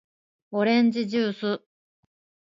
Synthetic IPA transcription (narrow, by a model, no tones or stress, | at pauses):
o̞ɾẽ̞ɲ̟d͡ʑiʑɨːsɨ